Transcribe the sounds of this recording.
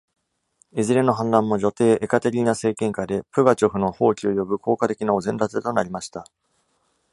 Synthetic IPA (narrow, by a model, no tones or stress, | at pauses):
ezɨɾe̞no̞ɦãnd̪ãmːo̞ʑo̞t̪e̞ːʔekat̪eɾʲiːnase̞ːkẽ̞ŋkad̪e̞pɯ̟ɡat͡ɕo̞ɸɯ̟no̞ho̞ːkʲio̞jo̞bɯ̟kʰo̞ːkat̪e̞kʲinaozẽ̞nɾat͡sɨt̪o̞naɾʲimaɕi̥t̪a